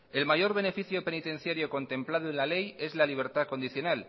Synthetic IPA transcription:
e̞lmaʝo̞ɾβe̞ne̞fiθjo̞pe̞nit̪ẽ̞n̟θjaɾjo̞ko̞nt̪e̞mplað̞oenlale̞je̞zlaliβ̞e̞ɾt̪ako̞nd̪iθjo̞nal

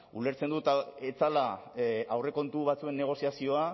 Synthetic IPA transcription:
ule̞ɾt͡se̞nd̪ut̪aet͡salaawre̞ko̞nt̪uβat͡sue̞nːe̞ɣ̞o̞siasio̞a

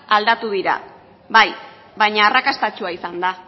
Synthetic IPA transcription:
ald̪at̪uð̞iɾa̰ | βaj | βajɲaːrakast̪at͡ʃuaisand̪a

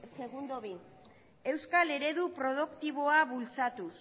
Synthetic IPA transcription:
se̞ɣund̪oβi | e̞wskale̞ɾe̞ðupɾo̞ð̞ukt̪iβ̞o̞aβult͡sat̪us

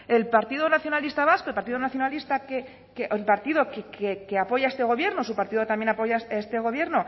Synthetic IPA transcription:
e̞lpaɾt̪iðo̞naθjonalist̪aβasko̞lpaɾt̪iðonaθjo̞nalist̪ake | keʔelpaɾt̪iðo̞kekekeapo̞ʝae̞st̪e̞ɣ̞o̞βje̞ɾnos̬upaɾt̪iðoet̪amje̞napo̞jaest̪e̞ɣ̞o̞βje̞ɾno̞

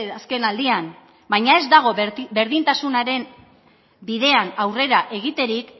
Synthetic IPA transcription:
aske̞nald̪ian | bajɲae̞zd̪aɣ̞o̞be̞ɾðint̪asunaɾe̞n | biðe̞anawre̞ɾaʔe̞ɣ̞it̪e̞ɾik

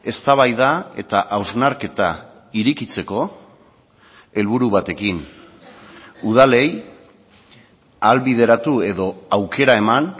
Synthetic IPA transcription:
e̞st̪aβ̞ajðae̞t̪aʔawznaɾke̞t̪a | iɾikit͡se̞ko̞ | e̞lβuɾuβat̪e̞kin | uð̞ale̞j | alβiðe̞ɾat̪ue̞ðo̞awke̞ɾae̞man

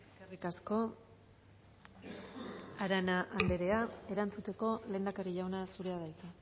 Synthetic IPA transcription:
seskerikasko̞ | aɾanaʔːmbe̞ɾe̞ae̞ɾant͡sut̪e̞ko̞le̞ːnd̪akaɾiʝawnasuɾe̞aðajt͡sa

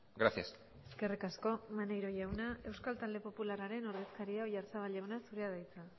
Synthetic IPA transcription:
ɡɾasjas | eske̞rikasko̞manejɾo̞ʝawnae̞wskalt̪ald̪e̞po̞pularaɾe̞no̞ɾðe̞skaɾiaoʝaɾt͡saβ̞alʎawnasuɾeað̞ajt͡sa

